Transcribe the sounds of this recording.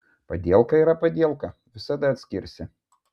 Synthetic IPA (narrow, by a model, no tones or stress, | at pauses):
pɐd̪ʲiɛlˠkɐiɾɐpɐd̪ʲiɛlˠkɐʋʲɪsɐd̪ɐɐt̪ʲsʲkʲɪɾʲsʲɪ